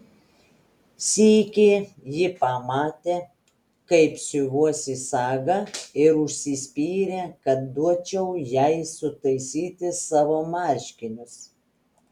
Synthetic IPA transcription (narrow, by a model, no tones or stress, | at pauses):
sʲiːkʲeː | jɪpɑmɑːt̪ʲeː | kɐɪpsʲʊʋuɔsʲɪsɑːɡɐɪɾʊʃʲsʲɪsʲpʲiːɾʲeːkɐt̪̚d̪uɔt͡ʃʲɛʊjɛɪsʊt̪ɐɪsʲiːt̪ʲɪsɑːʋoːmɑˑɾʲʃʲkʲɪnʲʊs